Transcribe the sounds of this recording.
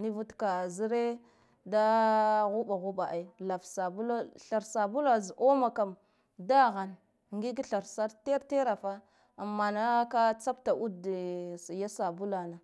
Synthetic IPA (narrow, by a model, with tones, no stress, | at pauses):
ni˦vu˦tka˨zi˦ɾe˦ | da˦ɣu˦ɓa˨ɣu˦ɓa˨ʔa˨˦˨la˨fsa˨bu˦la˦ɬa˨ɾsa˨bu˦la˨zʔo˦ma˨ka˨m | da˦ɣa˨n˨ | ŋɡi˦ɡi˦ɬa˨ɾsa˦ɾte˦ɾte˦ɾa˨fa˦ | a˨mːa˨na˦ka˦t͡sa˦pta˨ʔu˦dsja˦sa˨bu˦la˨na˨